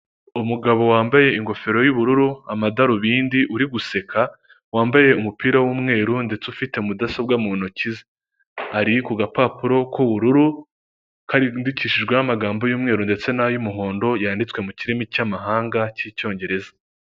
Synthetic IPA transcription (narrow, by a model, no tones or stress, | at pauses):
umuɡaβo̞waːmbaje̞iŋɡo̞fe̞ɾo̞juβuɾuɾuamadaɾuβiːndiʔuɾiɡuse̞kʰa | waːmbaje̞umupiːɾawuːmŋe̞ːɾunde̞t͡sufite̞umudasobɡamunocize | aɾikuɡapaːpuɾo̞kuβuɾuɾu | kaɾindiciʃiʒɡwenamaɡaːmbo̞juːmŋe̞ːɾunde̞t͡se̞najumuɦo̞ːndo̞jaːndit͡swe̞muciɾimicamaɦaːŋɡacico̞ːɲɟe̞ɾe̞zḁ